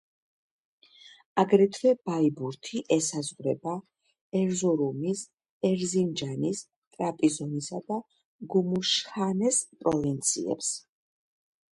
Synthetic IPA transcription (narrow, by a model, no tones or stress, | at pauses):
aɡɾɛt̪ʰvɛb̥aibuɾt̪ʰiʔɛsazʁɾɛba | ɛɾzɔɾumis | ɛɾzind͡ʒanis | t̪ʼɾapʼizɔnisad̪a | ɡumuʃχanɛspʼɾɔvint̪sʰḭɛ̰ps